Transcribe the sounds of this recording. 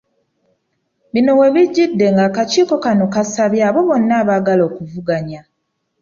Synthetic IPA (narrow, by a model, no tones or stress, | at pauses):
βino̞we̞βiɟːidːe̞ŋɡaːkaciːko̞kano̞kasaβjaːβo̞βo̞nːaːβaɡalo̞ːkuvuɡaɲa